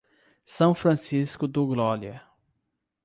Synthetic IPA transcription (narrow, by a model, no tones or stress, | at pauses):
sɐ̃w̃fɾɐ̃siskʊd̪ʊɡlɔɾjɐ